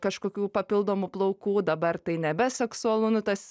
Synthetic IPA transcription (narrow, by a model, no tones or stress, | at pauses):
kɐʃkoːkʲuːpɐpʲɪlˠd̪oːmʊplˠɐʊkuːd̪ɐbɐrt̪ɐɪnʲɛbʲɛsʲɛksʊɐlˠuːnʊt̪ɐs